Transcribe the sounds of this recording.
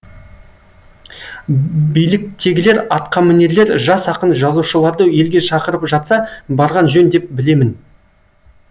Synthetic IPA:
bijlɪk̚t̪ʰe̞ɡʲɪle̞ɾɑt̪qɑmɪne̞ɾle̞ɾʒɑsɑqənʒɑzuʃəlˠɑɾd̪əje̞lɡʲe̞ʃɑqəɾəpʒɑt̪sɑbɑɾʁɑnʒɵnd̪e̞p̚bɪle̞mɪn

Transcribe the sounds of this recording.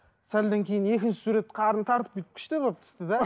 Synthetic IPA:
sæld̪eŋkʲʰejɪne̞kʲɪnʃɪ̥suɾe̞t̪qʰɑɾənt̪ʰɑɾt̪əp̚kʲet̪ɪ̥pkʲʰɪ̥ʃt̪eboəp̚t̪ʰɪ̥st̪ɪd̪æ

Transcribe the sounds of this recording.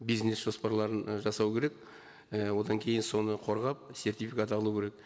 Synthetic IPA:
bijznesʒ̥o̞spɑɾlˠɑɾənʒɑsɑwkʲʰe̞ɾek | əwo̞d̪ɑŋkʲʰe̞jɪnso̞nəqʰo̞ɾʁɑp̚se̞rt̪ijfikat̪ɑlˠukʲʰe̞ɾek̚

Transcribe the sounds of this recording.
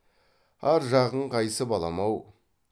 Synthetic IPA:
æɾʒɑʁəɴqʰɑjsəbɑlˠɑmɑw

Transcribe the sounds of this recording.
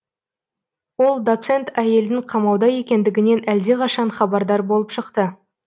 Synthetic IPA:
wo̞lˠd̪o̞t̪se̞nt̪æje̞ld̪ɪŋqʰɑmɑwd̪ɑje̞kʲe̞nd̪ɪɡʲɪne̞næld̪e̞qʰɑʃɑnχɑbɑɾd̪ɑɾbo̞lˠəpʃəqt̪ə

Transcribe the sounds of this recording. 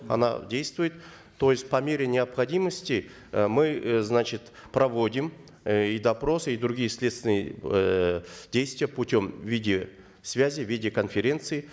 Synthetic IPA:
ɐ̰na̰dʲejst̪vʊjɪt̪ː | o̞jɪsʲt̚ʲpɐmʲe̞ɾʲɪnʲɪɐpχɐdʲiməsʲtʲɪ | mɨznat͡ɕɪt̪ | pɾɐvo̞dʲɪm | id̪ɐpɾo̞sɨid̪ɾʊɡʲijəsʲlʲet̪st̪ʲɪnɨjə | dʲejst̪vʲɪjəpʊtʲo̞mvʲidʲɪ | svʲazʲɪvʲidʲɪkənfʲeɾʲe̞nt̪sɨɪ

